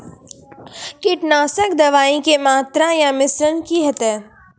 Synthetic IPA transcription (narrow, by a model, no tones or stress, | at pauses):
kɪʈnaːsəkd̪ɐʋaːĩkemaːt̪ɾajamɪsɾənkiɦɐt̪ɛː